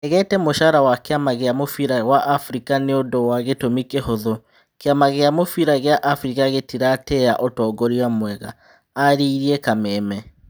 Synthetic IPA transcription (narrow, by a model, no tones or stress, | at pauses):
ɛɣɛtɛmoʃaɾawakeamaɣeamofiɾawaʔafɾikaneodowaɣetomikehoðo | keamaɣeamofiɾaɣeaʔafɾikaɣetiɾatɛaʔotɔːɡɔɾiamwɛɣa̰ː | ɾiiɾiekamɛːmɛ